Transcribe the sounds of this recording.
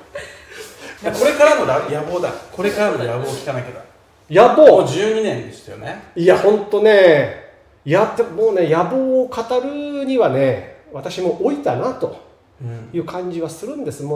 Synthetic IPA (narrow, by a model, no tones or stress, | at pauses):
dako̞ɾe̞kaɾanojajabo̞ːd̪a̰ko̞ɾekaɾanojaboːkʲi̥kanakʲed̪o | jaboːd͡ʑɨːɲ̟inẽ̞nd̪esɨjo̞̰neiahõ̞nt̪o̞ne̞ | ijat̪ːeomo̞ːne̞jaboːkat̪aɾɯ̟ɲ̟iβane̞βat̪aɕimo̞ʔoit̪anat̪o̞ | jɯ̟ːkʰãɲ̟d͡ʑiβasɨɾɯ̟̃nd̪e̞sɨm